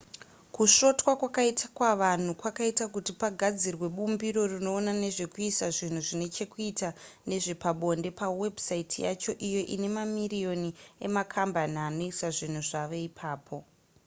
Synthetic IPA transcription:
kuʃo̞twakwakaitakwaʋan̤ukwakaitakutipaɡʱad͡zirwe̞ɓumbiɾo̞rino̞ːnane̞ʐe̞kuisaʐin̤uʐine̞t͡ʃe̞kuitane̞ʐe̞paɓo̞nde̞pawe̞bʱsaitʰija̰t͡ʃo̞ʔijo̞ʔine̞mamirijo̞nie̞makʰambaniano̞isaʐin̤uʐaʋe̞ipʰaːpʰo̞

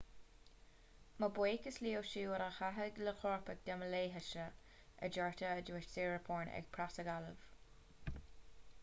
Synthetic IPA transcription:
məbweːkəsliːəwʃiːəɾaxaɦəɡləxɔɹpəɡ̚d̪̥aməleːɦəʃə | ʔə̰d͡ʒɛɹtəəduːɪʃsiːɹəpʰɔːɹnɛ̰ɡ̥̚pʰɾasəɡalə̰v̥

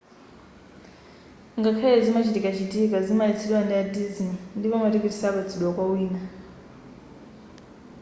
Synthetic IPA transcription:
ŋɡakʰajɛzimat͡ʃʰitikat͡ʃitʼikazimait͡sʰiɗwandiadizinndipɔmatɛkitisakat͡sʰiɗwakwawiːna

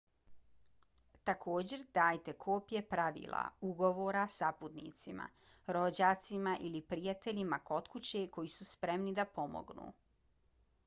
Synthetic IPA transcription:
t̪akʰo̞ːd͡ʑe̞ɾd̪aːjt̪e̞kʰo̞ːpje̞pɾaʋḭːlˠa̰uɡo̞ʋoːɾasaput̪nḭt̪sima̰ | ɾo̞d͡ʑaːt̪simaʔilipɾijat̪e̞ʎimako̞t̪kut͡ɕeko̞jisuspɾe̞mnid̪apo̞mo̰ɡnṵ

